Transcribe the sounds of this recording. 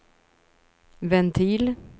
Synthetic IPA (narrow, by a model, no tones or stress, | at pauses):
vɛnt̪ʰiːl